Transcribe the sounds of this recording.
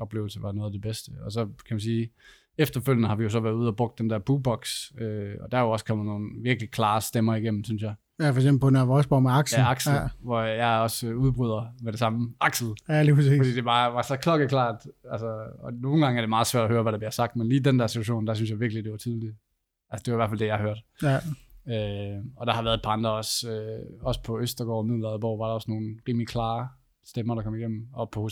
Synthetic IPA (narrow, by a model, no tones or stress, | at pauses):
ʔɒ̽b̥le̝ʊl̩səʋɑ̈nɔ̽ːð̞ˠɐdeb̥esd̥əɒsɒ̽kʰæmænsiː | efd̥ɐføl̰jənəhɑ̈ʋijo̝s̬ɒ̽ʋæɐðˠuð̞̰ˠɒb̥ʁɔ̽ɡ̥̚d̥end̥ɛɐb̥uːb̥ɒ̽ɡ̥søɒ̽d̥æjoɒ̽skʰɒ̽m̰ð̩ˠno̝ːn̩ʋiɐɡ̥likʰlɑ̈ːsd̥emɐiɡ̥em̰m̩synsjɑ̈ɪ | jæfɒɐɡ̥semb̩pʰɔnʋɒsb̥ɒmeɑ̈ɡ̥sjæɑ̈ɡ̥s̩ʋɒjɑ̈ɪɒ̽søuðˠb̥ʁyð̞̰ˠɐmeɾ̥e̝sɑ̈məʔɑ̈ɡ̥sl̩lipʰsḛːfd̥ḭːd̥e̝b̥ɑ̈ːʋɑ̈sɒ̽kʰlɒ̽ɡ̥əkʰlɑ̰̈ːd̥ælsəɒno̝ːn̩ɡ̥ɑ̈ŋɐ̥e̝mɑ̈ːðˠsʋæ̰ɐ̰dɒhøːɐʋæɾ̥ɑb̥liɐsɑ̈ɡ̥̚d̥menliːd̥endæɐsit͡sʰu̥æɕo̝̰ːnd̥æs̬ynsjɑ̈ɪʋiɐɡ̥lid̥e̝ʋɑ̈t͡sʰiðˠli | ʔælsə̥d̥eʋɑ̈iʋæɐ̰fæld̥e̝jɑ̈ɪøɐd̥ | øɒ̽ɾ̥ɑ̈hɑ̈ʋæɐðˠed̚pʰɑ̈ɑ̈nd̥ʁɐɒ̽søɒ̽sə̥pʰɒ̽øsd̥ɐɡ̥ɒ̰mið̰ˠlˠɐðˠb̥ɒʊ̰ʋɑ̈ɾɑ̈ɒ̽sno̝ːn̩ʁiːmlikʰlɑ̈ː | sd̥emɐɾɑkʰɒ̽miɡ̥em̰n̩ɒ̽pʰɒho